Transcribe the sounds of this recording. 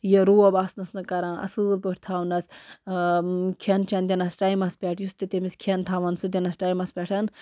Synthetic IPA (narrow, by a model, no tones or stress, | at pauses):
jeɾuːɐbaːsnɐsnɐkɐɾãːʔɐ̰sɨːlpəʈʰt̪ʰaːʋnɐs | kʰent͡ʃʰɐnd̪ʲɐnɐsʈaːjmɐspʲeʈʰjust̪it̪emiskʰent̪ʰaːʋɐnsud̪ʲɐnɐsʈaːjmɐspʲeʈʰɐn